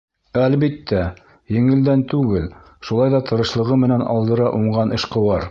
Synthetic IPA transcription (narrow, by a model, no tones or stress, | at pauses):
ælβit̪ːæ | jɘ̆ŋɘ̆ld̪ænt̪ʉɡɘl | ʃulˠɑjðɑt̪ɤ̆ɾɤ̆ʃlˠɤ̆ʁɤmɘ̆nænɑ̰lˠd̪ɤ̆ɾɑʔuɴɢɑnʔɘ̆ʃqɤ̆wɑɾ